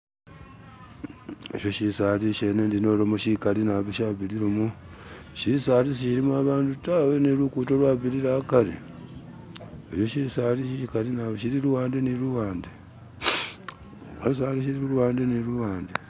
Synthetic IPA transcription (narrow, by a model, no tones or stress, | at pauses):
ḛʃo̞ʃisaɾiʃenendino̞ːɾomoʃikaɾinaβiʃaːβiɾiɾomu | ʃisaːɾisiʃiɾimuaβaːndutawenelukutolwaːβiɾiɾakaɾḭ | eʃo̞ʃisaːɾisiʃikaɾinaβʃiɾiɾuwaːndeniɾuwaːnde | a̰lus̬aːɾiʃ̬iɾiuwaːndeniɾuwaːnde